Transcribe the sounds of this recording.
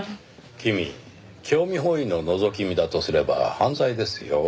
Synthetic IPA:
kʲimʲḭ | kʲʰo̞ːmʲiɦoino̞no̞zo̞k̬ʲimʲid̪at̪o̞sɨɾe̞ba̰hãnzaid̪e̞sɨjo

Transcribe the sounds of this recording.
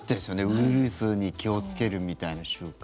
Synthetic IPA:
t̪ːesjone̞ɯ̟iɾɯsɨɲ̟ikʲio̞t͡sɨ̥ke̞ɾɯ̟mʲit̪ainaɕɨːk

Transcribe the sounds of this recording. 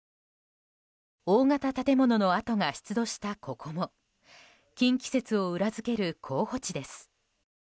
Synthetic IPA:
oːŋat̪at̪at̪e̞mo̞no̞no̞at̪o̞ŋaçi̥t͡sɨd̪o̞ɕi̥t̪akʰo̞kʰo̞mo̞ | kʲĩŋkʲi̥se̞t͡sɨo̞ɯ̟ɾazɨke̞ɾɯ̟kʰo̞ːho̞t͡ɕid̪e̞sɨ̥

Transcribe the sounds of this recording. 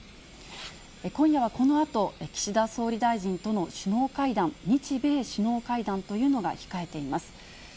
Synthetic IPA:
ekõ̞ɰ̃jaβ̞ako̞no̞at̪o̞ekʲi̥ɕid̪aso̞ːɾʲid̪aiʑĩnt̪o̞no̞ɕɨno̞ːkaid̪ãnɲit͡ɕibe̞ːɕɨno̞ːkaid̪ãnt̪o̞jɯ̟ːno̞ɡa̰çi̥kae̞t̪e̞imasɨ̥

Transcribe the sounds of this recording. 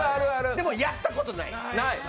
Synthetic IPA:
aɾɯaɾɯd̪emojat̪ːako̞t̪ona̰ḭ | naj

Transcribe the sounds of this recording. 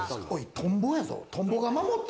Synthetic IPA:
oit̪ʰõmbojazo̰t̪ʰõmboɡamamot̪ː

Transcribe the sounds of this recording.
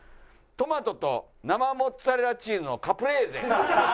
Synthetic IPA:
t̪o̞mat̪o̞t̪o̰ | namamotaɾeɾat͡ɕiːmɯnokapɯ̟ɾe̞ːzḛ

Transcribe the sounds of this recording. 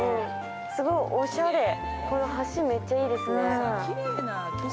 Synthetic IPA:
ɯ̟̃ | sɨɡo̞iʔoɕad̪e̞ | kʰo̞no̞haɕime̞t͡ɕːaiːd̪e̞sɨneɾena

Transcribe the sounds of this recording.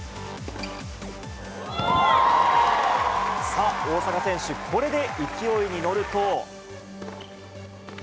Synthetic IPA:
sao̞ːsakasẽ̞ɕɨkʰo̞ɾe̞d̪e̞ikʲio̞iɲ̟ino̞ɾɯ̟t̪o̞ː

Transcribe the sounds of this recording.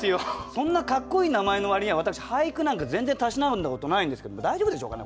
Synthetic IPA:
iosõ̞nːakakːo̞iːnamae̞no̞βaɾʲiɲiaβat̪akɯ̟ɕi̥haikɯ̟nãŋkazẽ̞nze̞nt̪aɕinaɯ̟̃nd̪ako̞t̪o̞naĩnd̪esked̪omod̪aiʑobɯ̟d̪eɕoːkane

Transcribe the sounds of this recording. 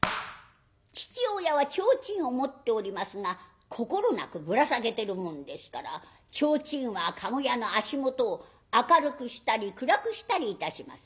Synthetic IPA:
t͡ɕi̥t͡ɕiojaβat͡ɕo̞ːt͡ɕĩɰ̃o̞mo̞t̪ːe̞oɾʲimasɨŋa | kʰo̞ko̞ɾo̞na̰kɯ̟bɯ̟ɾasaɡe̞t̪e̞ɾɯ̟mõ̞nd̪e̞sɨ̥kaɾa̰ | t͡ɕo̞ːt͡ɕĩɰ̃βakʰaɡo̞jano̞aɕimo̞t̪o̞ː | akaɾɯ̟kɯ̟ɕi̥t̪aɾʲikɯ̟ɾakɯ̟ɕi̥t̪aɾʲiːt̪aɕima̰sɨ̥

